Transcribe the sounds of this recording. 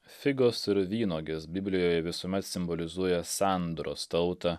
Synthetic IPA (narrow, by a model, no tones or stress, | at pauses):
fʲɪɡoːsɪɾʋʲiːnoːɡʲesbʲɪbʲlʲɪjoːjɛʋʲɪsuːmʲɛt̪sʲɪmbolʲɪzuɔjɛsɑˑnd̪ɾo̰ːst̪ɐʊt̪ɐ